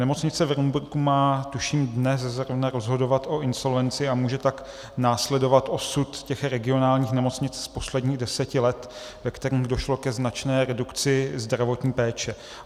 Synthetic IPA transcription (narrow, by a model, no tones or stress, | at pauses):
nɛmo̞t͡sɲɪt͡sɛvɾumbuɾkumaːt̪uʃiːmdnɛs̬zɾovnaɾo̞zɦo̞do̞vat̪ʔo̞ʔɪnso̞lvɛnt͡sɪamuːʒɛt̪ak | naːslɛdo̞vat̪ʔo̞sut̪cɛxɾɛɡɪo̞naːlɲiːxnɛmo̞t͡sɲɪt͡sspo̞slɛdɲiːɣdɛsɛcɪlɛt̪ | vɛkt̪ɛɾiːmxdo̞ʃlo̞kɛznat͡ʃnɛːɾɛdukt͡sɪzd̪ɾavo̞t̪ɲiːpɛːt͡ʃɛ